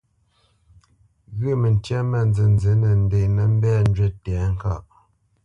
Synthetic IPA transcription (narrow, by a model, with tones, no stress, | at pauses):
ɣʉ˦˨mə˨n˨tjɛ˦mə˦˨nd͡zɨ˨n˨zə˨˦nə˨n̩˨de˨ʔmə˦˨m̩˦bɛ˦˨n̩˦d͡ʒɥɛ˦tɛ˨˦ŋ̩˦ka̰˦˨ʔ